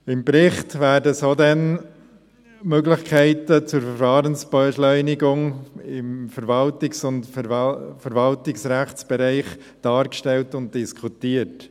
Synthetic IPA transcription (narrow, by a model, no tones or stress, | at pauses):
ɪmpɾɪχtvæːɾdəsoːdɛn | møɡlɪχkʰɛɪtət͡sʊɾfəɾfɑːɾənsb̥ɛʃlœʏnɪɡʊŋɪmfəɾvɑltɪksʊnt | fəɾvɑltɪksɾæχt͡sb̥ɛɾɛɪχ | d̥ɑːɾkʃtɛltʊnt̚d̥ɪskʰutiːət